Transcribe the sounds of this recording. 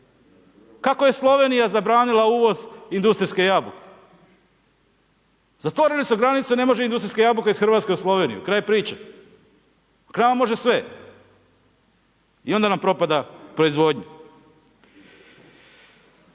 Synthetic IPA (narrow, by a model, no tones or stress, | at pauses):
kako̞je̞slˠo̞ʋe̞nijazabɾaːnilauːʋo̞zind̪ust̪ɾiske̞jabuke̥ | z̥at̪ʋo̞ɾelisuɡɾanit̪sene̞mo̞ʒeind̪ust̪ɾiskejabukeisxɾrʋat̪ke̞uslˠo̞ʋe̞ːnijṵkɾaːjepɾiːt͡ʃa | knaːmamo̞ʒe̞sʋe̞ | io̞nd̪anampɾo̞pad̪apɾo̞izʋo̞d̪ɲa